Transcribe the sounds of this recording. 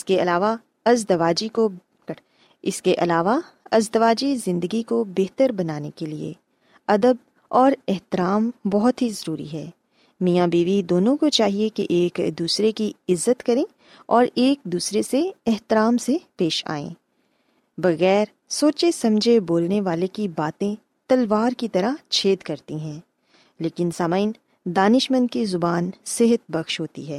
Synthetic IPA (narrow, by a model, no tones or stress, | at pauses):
ɪskeɐlaːʋa | ɐzd̪ɐʋaːd͡ʒiko | ɪskeʔɐlaːʋa | ɐzd̪əʋaːd͡ʒizɪ̃nd̪əɡikobɛɦt̪əɾbɐnaːnekeliḛ | ɐd̪əb̚ | ɔːɾɛɦt̪ɪɾaːmbɔɦʊt̪ɦizɐɾuːɾḭɦɛː | mijãbiːʋid̪oːnõkot͡ʃaːɦiekḛʔeːkd̪uːsɾekiɪzːət̪kɐɾẽ | ɔːɾeːk̚d̪uːsɾeseɛɦt̪ɪɾaːmsepeːʃa̰ːḛ̃ː | bɐɣɛːɾ | soːt͡ʃesɐ̃md͡ʒʱeboːlneʋaːlekibaːt̪ẽ | t̪ɐlʋaːɾkit̪ɐɾat͡ʃʰeːd̪kɐɾt̪iɦɛ̃ː | leːkɪnsaːmaːɪn | d̪aːnɪʃmə̃nd̪̚kizʊbaːnsɪɦət̪̚bɐxʃɦoːt̪ḭɦɛː